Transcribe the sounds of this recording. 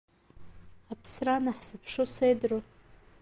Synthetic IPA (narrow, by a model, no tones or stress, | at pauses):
apʰsranaħz̥ɨpʰʂosejdro